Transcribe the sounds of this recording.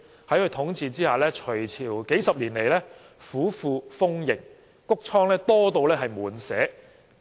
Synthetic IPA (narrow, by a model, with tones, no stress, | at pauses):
hɐ˨˥jkʰɵ˧t̪ʰʊ˨˥ŋt͡siː˨˧t͡siː˥haː˨˧lɛː˥t͡ʃʰɵ˨˩ɥt͡sʰiː˨˩wke˨˥jsɐ˨p̚liː˨˩nle˨˩jlɛː˥ | fuː˨˥fuː˧fʊ˥ŋjɪ˨˩ŋ | kʊ˥k̚t͡sʰɔː˥ŋlɛː˥t̪ɔː˥t̪o˧wlɛː˥ɦɐ˨jmuː˨˩nsɛː˨˥